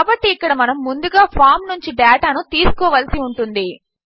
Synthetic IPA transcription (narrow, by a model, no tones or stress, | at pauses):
kaːbɐʈːiːkːɐɽɐmɐnɐmːund̪uɡaːpʰaːɾmnuɲt͡ʃiɖɛːʈaːnut̪iːsu̥kɔːʋɐlsiuɳʈund̪i